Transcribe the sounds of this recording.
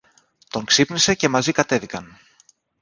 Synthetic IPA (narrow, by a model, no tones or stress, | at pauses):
t̪o̞ŋksipnise̞ce̞mɐzikɐt̪e̞ðikɐn